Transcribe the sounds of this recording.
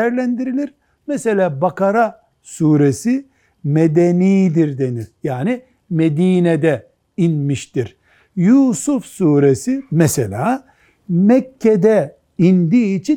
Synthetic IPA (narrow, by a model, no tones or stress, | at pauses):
æɾlʲænd̪iɾilʲiɾ | mɛse̞lʲaːbakaɾa | suːɾesi | med̪eniːd̪iɾd̪e̞nijaːni | med̪iːnɛd̪ɛ | inmiʃt̪iɾ | juːsufsuːɾesimɛsḛlʲaː | mɛkʰːɛd̪ɛ | ind̪iːt͡ʃʰi